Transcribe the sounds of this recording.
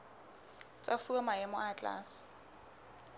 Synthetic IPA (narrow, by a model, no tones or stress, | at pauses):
t͡sʼafuamaɛmɔʔat͡ɬʼa̰ːsɪ̥